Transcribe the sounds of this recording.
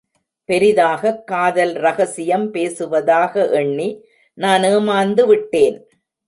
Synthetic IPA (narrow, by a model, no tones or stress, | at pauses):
pɛɾɪðaːɣɐkːaːðɐlɾɐɣɐsɪjɐmpeːsɯʋɐðaːɣɐʔɛɳːi | naːneːmaːnd̪ɯʋɪʈːeːn